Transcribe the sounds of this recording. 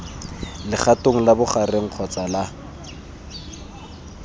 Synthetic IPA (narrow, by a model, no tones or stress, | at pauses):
lɪχatʼoŋ̩labʊχareŋ̩q͡χʰɔt͡sʼala